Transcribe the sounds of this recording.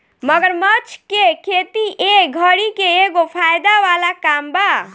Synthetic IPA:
məɡəɾmət͡ʃʰkekʰet̪iʔeɡʱəɾikeeɡopʰajd̪awalakamba

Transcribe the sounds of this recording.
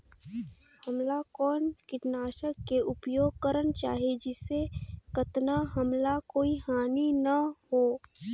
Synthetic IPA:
həmlakɔːnkɪʈnaːʃəkːeʔʊpjoːɡ̚kəɾənt͡ʃa̰ːɦied͡ʒɪsːekət̪naɦəmlakoːihaːninɐhoː

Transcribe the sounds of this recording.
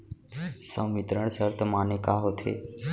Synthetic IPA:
sə̃mɪt̪ɾəɳ̃səɾt̪ʰəmaːnekaːɦot̪ʰḛː

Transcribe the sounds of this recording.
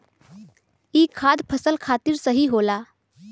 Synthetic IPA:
iːkʰːad̪pʰəsəlkʰat̪iːɾsəɦiɦola

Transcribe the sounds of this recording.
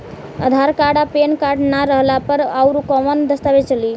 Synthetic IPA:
ə̰d̪ʱaɾkaɽapenkaʈnaɾəɦlapəɾawɾukəmənd̪əst̪abet͡ʃəli

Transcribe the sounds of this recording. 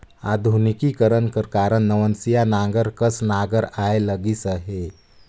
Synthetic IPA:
a̰d̪ʱunikikəɾənkəɾkaɾənnəʋənsijanãŋɡəɾkəsnaɡəɾaeləɡisəɦe

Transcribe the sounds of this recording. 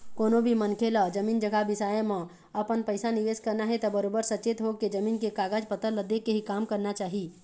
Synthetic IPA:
koːnobʱimənkʰelad͡ʒəmiːnd͡ʒəɡabɪsaːemə̃ | əpənpəɪsaniʋeːskəɾnaɦɛt̪ɔbəɾoːbəɾsət͡ʃeːt̪ɦoked͡ʒəmiːnkekaːɡad͡ʒpət̪ələd̪ekeɦikaːmkəɾnat͡ʃaːɦi

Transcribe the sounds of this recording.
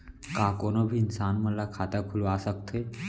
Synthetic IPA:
kakoñobʱiːnsanməlːakʰat̪akʰuloasəkt̪ʰe

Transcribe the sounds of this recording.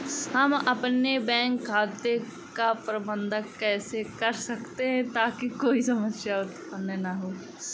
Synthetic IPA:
hɐmɐpnebɛ̃ːŋkʰːaːt̪e | kapɾɐbə̃nd̪ʱəkɛːsekɐɾsɐkt̪eɦɛ̃t̪aːkikoːisɐməsjaʊt̪pənːnaɦoː

